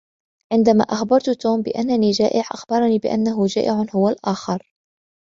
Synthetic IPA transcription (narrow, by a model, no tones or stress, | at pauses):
ʕɪnd̪ama̰ːʔaxbɑɾˤt̪ʊt̪uːmbɪ̰ʔanːaniːd͡ʒaːʔɪʕʔaxbɑɾˤɑniːbɪʔa̰nːaɦʊd͡ʒaːʔɪʕanhʊwalʔaːxɑɾˤ